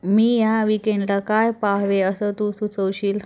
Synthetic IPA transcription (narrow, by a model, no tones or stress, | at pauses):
miːjaʋikẽɳɖlakajpaɦʋeəsət̪usut͡səwɕiːl